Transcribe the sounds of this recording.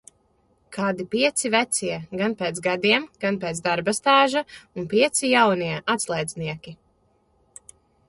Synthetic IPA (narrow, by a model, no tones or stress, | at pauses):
kʰaːd̪ipiɛt̪sivæt̪siɛɡanpeːt̪sɡad̪iɛmɡ̥anpeːt̪zd̪aɾbast̪aːʒaunpiɛt̪sijawniɛʔat̪slˠɛjd̪zniɛkʲi